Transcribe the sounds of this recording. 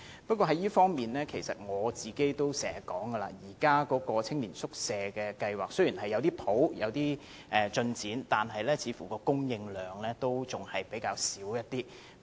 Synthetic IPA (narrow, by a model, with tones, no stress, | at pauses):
pɐ˥kʷɔː˧ɦɐ˨˥jiː˥fɔː˥ŋmiː˨˩nlɛː˥kʰe˨˩jsɐ̰˨t̚ŋɔː˨˧t͡siː˨ke˥jt̪o˥wsɛː˨˩˨kɔː˨˥ŋɡə˧la̰ː˧jiː˨˩kaː˥kɔː˨˥kɔː˧t͡sʰɪ˥ŋliː˨˩nsʊ˥k̚sɛː˧kɛː˧kɐ˧jwaː˨k̚sɵ˥ɥjiː˨˩nɦɐ˨jːɐ˨˧wt̪iː˥pʰo˨˥wjɐ̰˨˧wt̪iː˥ | ʔɛː˨˧t͡ʃɵ˧nt͡siː˨˥nt̪aː˨nɦɐ˨jlɛː˥t͡sʰiː˨˧fuː˨˩kɔː˧kʊ˥ŋjɪ˧ŋlœː˨˩ŋlɛː˥t̪o˥wt͡sʊ˨ŋhɐ˨jpe˨˥jkaː˧wsiː˨˥wjɐ˥t̚t̪iː˥